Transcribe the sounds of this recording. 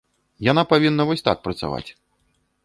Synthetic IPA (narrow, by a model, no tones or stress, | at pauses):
janapavʲinːɐvɔsʲt̪a̰k̚pɾɐt̪sa̰va̰t͡sʲ